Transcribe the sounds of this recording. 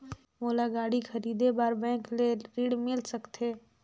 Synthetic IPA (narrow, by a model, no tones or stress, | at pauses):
moːlaɡaːɽixʰɐɾiːd̪ebaːɾbɛ̃ːkleɾiːɽmɪlsəkt̪eː